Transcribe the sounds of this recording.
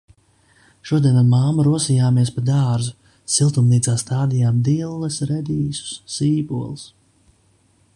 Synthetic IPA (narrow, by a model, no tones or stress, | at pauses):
ʃuɔd̪iɛnamaːmuɾuɔsijaːmiɛspad̪aːɾzu | silˠt̪umniːt̪saːst̪aːd̪ijaːmd̪ilˠːɐsɾɛd̪iːsu̥sːiːbuɔlˠs